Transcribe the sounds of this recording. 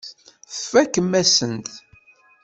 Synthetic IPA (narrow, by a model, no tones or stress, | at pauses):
ə̥fækːəmːæsənt̪